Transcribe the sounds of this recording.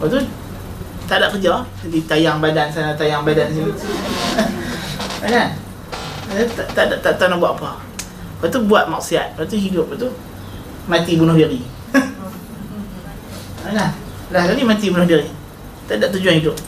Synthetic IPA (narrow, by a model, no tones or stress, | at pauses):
waʔt̪u | t̪aʔdaʔkəd͡ʒɔd͡ʒadit̪ajaŋbadansanat̪ajaŋbadans̬inu | anan | at̪aʔt̪adaʔt̪aʔt̪anabuaʔpɔ | wat̪ubuaʔ̪̚mak̚siat̪̚wat̪uɦidʊp̚wat̪u | mat̪ibunʊhbiɾi | anah | lahɡaɾimat̪ibunʊhbiɾi | t̪aʔdaʔt̪ud͡ʒuanhidʊp̚